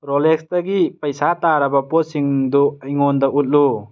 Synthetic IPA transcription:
ɾolekstɐɡipɐjsataɾɐbɐposiŋduiŋɔnd̪ɐʔut̚lu

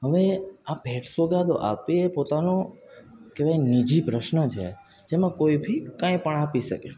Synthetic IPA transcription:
ɦəʋeabʱeʈsoɡad̪oʔa̰pʋiepot̪ano | kebajnid͡ʒipɾəʃnət͡ʃʰḛ | d͡ʒemãkoibʱikãĩpəɳapiʃə̰ke

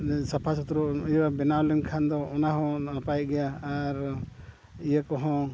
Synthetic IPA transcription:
sapʰasɔt̪ɾuijwabɛnawlɛmkʰand̪ɔːnaɦɔ̃napajt̪̚ɡɛjaːɾ | ijakɔɦɔ̃

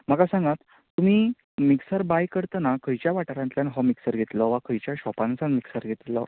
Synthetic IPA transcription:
m̤akasãŋɡat̪ː | um̤iː | miksəɾbajkəɾt̪ənakəjt͡ɕjaʋaʈaɾãnt̪ljanɦɔmiksəɾɡʱet̪ləʋakəjt͡ɕjaɕɔpansanmiksəɾɡʱet̪lə̰

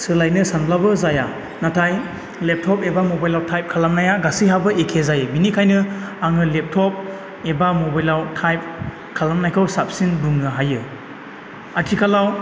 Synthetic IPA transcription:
sɯlajnɯsanblabɯzaja | natʰaj | lep̚tʰɔpebamobajlawtʰajp̚kʰalamnajaɡasiɦabɯʔekʰezajɯbinikʰajnɯaŋɯlep̚tʰɔp̚ | ebamobajlawtʰajp̚ | kʰalamnajkʰɯwsap̚sinduŋnɯɦajɯ | atʰikʰalaw

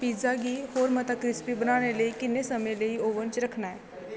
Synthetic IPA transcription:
pid͡zaɡiːhoɾmət̪akɾispibənaɽelekinːesəmeleioʋənt͡ɕɾəkʰɳaj

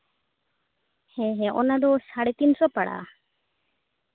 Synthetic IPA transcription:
hɛ̃ɦɛ̃ʔɔ̰nad̪ɔsaɽɛt̪insɔpaɽa̰

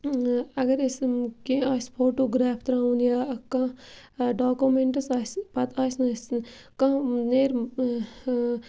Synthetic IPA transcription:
ɐɡɐɾɪskẽaːspʰoːʈoːɡɾaːpʰt̪ɾãːunjaːkã | ɖaːkumẽɳʈɐsaːspɐt̪aːsnɐs | kãneːɾ

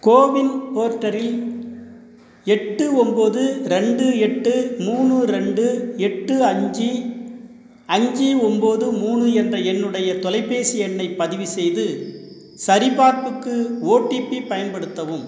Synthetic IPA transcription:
koːʋɪnpoːɾʈːɐɾɪl | ɛʈːɯɔmboːðɯɾɛɳɖɯɛʈːɯmuːɳɯɾɛɳɖɯɛʈːɯɐɲd͡ʒi | ɐɲd͡ʒiɔmboːðɯmuːɳɯɛndrɐɛnːɯɽɐjɐt̪ɔlɐɪpːeːsɪjɛnːɐɪpːɐðɪʋɯsɛjðɯ | sɐɾɪpaːɾpɯkːɯoːʈːipːipɐjɐnpɐɽɯt̪ːɐʋɯm

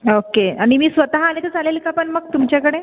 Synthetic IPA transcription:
okeaɽ̃imiːsʋət̪aɦaːñet̪ət͡salelkapəɳməɡ̚t̪umt͡ɕjakəɽe

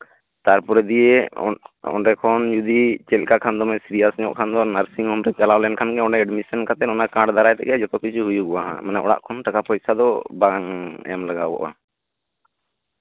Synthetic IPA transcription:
t̪aɾpɔɾɛd̪ije | ɔ̰ɳɖɛkʰɔnd͡ʒud̪it͡ʃɛlkakʰand̪ɔmɛsiɾijasɲɔʔkʰand̪ɔnaɾsiŋhɔmɾɛt͡ʃalawlɛnkʰanɡɛɔɳɖɛɛɖmisankat̪ɛnɔnakãɖd̪aɾajt̪ɛ̰ʔɛd͡ʒɔt̪ɔkit͡ʃʰuɦujuɡɔwaɦã̰manaʔɔɽa̰ʔkʰɔnʈakapɔjsad̪ɔbaŋɛ̰amlaɡabɔ̰ʔa̰

